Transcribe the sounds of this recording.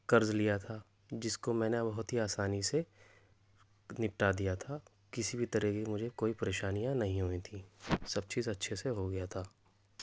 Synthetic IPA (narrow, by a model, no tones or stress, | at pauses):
kɐɾzlijat̪ʰa | d͡ʒɪskomɛ̃ːnebɐɦʊt̪ɦiaːsaːnise | nɪpʈad̪ijat̪ʰa | kɪsibʱit̪ɐɾəɦkimʊd͡ʒʱekoːipɐɾeːʃaːnijãnɐɦĩɦoĩt̪ʰisɐb̚t͡ʃiːzɐtːʃʰeseɦoɡɐjat̪ʰaː